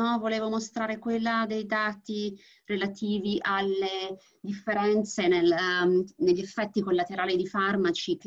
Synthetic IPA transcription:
ɔvoleːvomost̪ɾaːɾekwelːad̪ejd̪aːt̪i | relat̪iːviʔalːe | d̪ifːeɾɛnt̪senel | neʎːefːɛt̪ːikolːat̪eɾaːlid̪ifarmat͡ʃi

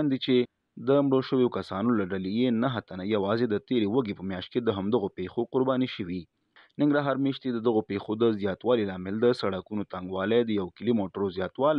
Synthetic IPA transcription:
nd̪it͡ʃe | d̪əmɽoʃəwjokasɑnolaɖalejenaɦət̪anajawɑzed̪ət̪eɾewaɡepəmjɑʃt̪̚ked̪əɦamd̪əɣopexoqʊɾbɑniʃəwi | nɪŋɡɾɑɦɑɾmeʃt̪id̪əd̪əɣopexod̪əzjɑt̪wɑlilɑmɪld̪əsaɽakunot̪aŋɡwɑled̪əjawkɪlimoʈəɾozjɑt̪wɑl

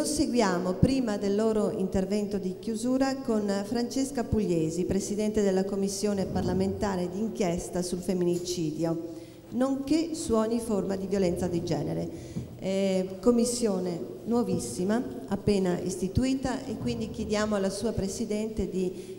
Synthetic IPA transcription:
loseɡwjaːmopɾiːmad̪elːoːɾoint̪ervɛnt̪od̪ikjuzuːɾakonfɾant͡ʃeskapuʎːeːzipɾesid̪ɛnt̪ed̪elːakomːisːjoːneparlament̪aːɾed̪iːŋkjɛst̪asulfemːinit͡ʃiːd̪jo | noŋkesuɔɲːiformad̪ivjolɛnt̪sad̪id͡ʒɛ̰ːneɾe | komːisːjoːnenwovisːimaapːeːnaʔḭst̪it̪uiːt̪aʔekːwind̪ik̟jed̪jaːmoalːasuːapɾesid̪ɛnt̪ed̪i

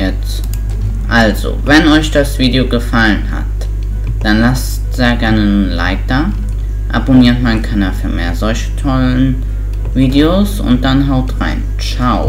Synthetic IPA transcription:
jɛt͡s | ʔalzo̰vɛnɔʏçd̥asv̥iːdeoɡəfalənha̰t | d̥anlas | tz̥eːɐɡɛɐnəla̰ɪk̚d̥aː | ʔa̰boniːɐtmaɪnkʰanaːfyːɐmḛːɐzɔlçə̥tʰɔlən | viːdeosʊ̰nt̚d̥anɦaʊtʁa̰ɪn | t͡ʃaʊ

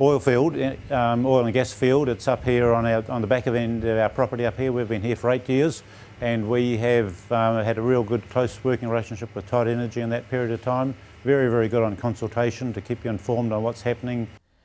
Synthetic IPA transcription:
ɔɪlˠfilˠd | ɔɪlˠə̃nɡɛsfilˠdɨtsʌphiɹə̃naə˞ʔə̃nðəbækʌvɛ̃ndʌvaʊə˞pʰɹ̥ɑpə˞ɾiʌphiɹwiɨvbɨ̃nɦiɹfə˞eɪt̚jɪɹz | ɨ̃nwiɨvɨɾɨɹilˠɡʊd̚kʰl̥oʊswɜ˞kɪ̃ŋɹɪleɪʃn̩ʃɪpwəð̥tʰɑɪɾɛnə˞d͡ʒiɨ̃nðɨt̚pʰɪɹiɨɾʌv̥tʰãɪ̃m | vɛɹivɛɹiɡʊɾn̩kʰɑ̃nsl̩ˠtʰeɪʃɨ̃n̩tɨkʰipjɨɨ̃ɱfɔɹmdn̩wʌtshæpənɪ̃ŋ

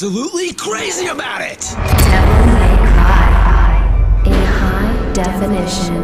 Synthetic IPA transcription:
əlutˡlikʰɹ̥eɪziɨbaʊɾɪt̚ | tʰɛlˠɪ̃ŋeɪkʰɹ̥aɪhaɪɨhaɪdɛfɨnɪʃɨ̃n

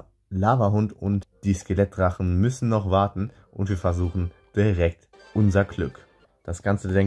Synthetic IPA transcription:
laːvɐɦʊntʊ̰ntd̥iːskelɛt̚ʁaχn̩mʏsn̩nɔχv̥aɐtn̩ | ʔʊ̰ntv̥iːɐfɛɐzuːχn̩d̥iʁɛk̚t | ʔʊnzɐɡlʏk | d̥asɡ̥ant͡sədɛŋ

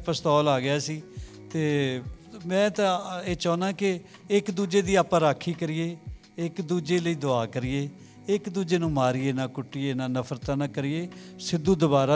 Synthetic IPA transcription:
pəst̪ɔːlaːɡɪjaːsiː | t̪eː | mɛ̃ːt̪ãeːt͡ʃɔ̃ːnãːkɪ | ɪkd̪uːd͡ʒeːd̪iːaːpãːɾaːkʰːiːkəɾɪːeː | ɪkd̪uːd͡ʒeːləiːd̪ʊaːkəɾɪːeː | ɪkd̪uːd͡ʒeːnũːmaːɾɪeːnaːkʊʈːieːnãːnəpʰəɾt̪ãːnaːkəɾɪeːsɪd̪uːd̪ʊbaːɾaː

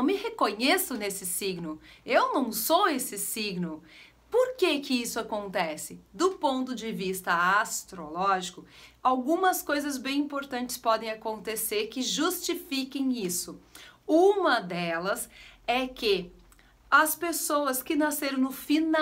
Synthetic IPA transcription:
w̃mɪhekõɲesʊnesɪsiɡnʊewnɐ̃w̃sowesɪsiɡnʊ | poɾkekɪisʊakõnt̪ɛsɪd̪ʊpõnt̪ʊd͡ʒɪvist̪ɐast̪ɾolɔʒikʊawɡũmɐskojzɐzbẽj̃ĩpoɾt̪ɐ̃nt͡ʃɪ̥spɔd̪ẽj̃akõnt̪eseɾkɪʒust͡ʃifikẽj̃isʊũmɐd̪ɛlɐsɛkɪ | ɐspesowɐskɪnaseɾɐ̃w̃nʊfina

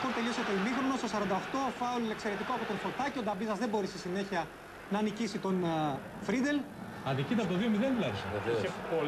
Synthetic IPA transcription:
koɾt̪e̞lioset̪oimixɾono̞st̪osɐɾɐnd̪ɐoxt̪oɐfɐolekse̞ɾet̪ikoɐpo̞t̪onfoɾt̪ɐcod̪ɐbizɐzðe̞bo̞ɾisisine̞çiɐ | nɐːnicisit̪o̞n | fɾid̪e̞l | ɐnd̪icit̪ɐpot̪ðiomiðenðulɐɾisɐ̰po

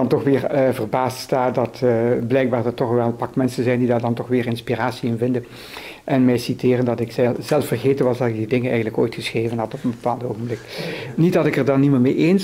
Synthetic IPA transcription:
ɑntɔxʋɪːrvərbaːststaːdɑtblɛjɡ̚baːrdɑtɔxʋɛlˠəpɑkmɛnsənzɛjndidaːrdɑntɔxʋɪːrɪnspiraːsiɪnvɪndən | ʔɛnmɛjsitɪːrəndɑtɪksɛzɛlˠfərɣeːtənʋɑsdɑtɪɡ̚didɪŋənɛ̰jɣəndləko̰ːjtxəsχreːvənɦɑtɔpənbəpaːlˠdoːɣənblɪknit̚dɑtɪkərdɑniməmeʔeːns

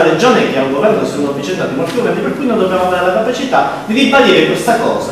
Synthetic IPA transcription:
led͡ʒoːnekeauŋɡovɛrnokesonunovːit͡ʃent̪aːt̪imolt̪ioɡɾand̪iperkːujnond̪objaːmoaveːɾelakapat͡ʃit̪a | d̪id̪ibaliːɾekwest̪akɔ̰ːsa

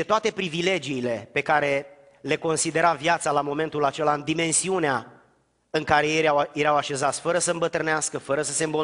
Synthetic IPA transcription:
et̪oat̪e̞pɾivile̞d͡ʒiːle̞pe̞kaɾe̞ | le̞ko̞nsid̪e̞ɾavjat̪salamo̞me̞nt̪ulat͡ʃe̞laɨnd̪ime̞nsiunea | ɨŋkaɾe̞ajeɾawaʃe̞zat̪sʲfəɾəsəɨmbət̪ɾɨneaskəfəɾəsəse̞mbo

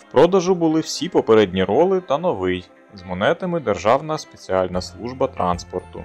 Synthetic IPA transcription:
wpɾɔd̪ɐʒʊbʊlˠɪwsʲipɔpeɾɛdʲnʲiɾɔlˠɪt̪ɐnɔʋɪj | zmɔnɛt̪ɐmɪd̪erʒɑwnɐspet͡sʲiɑlʲnɐslˠuʒbɐt̪ɾʔɑnspɔrt̪ʊ̰

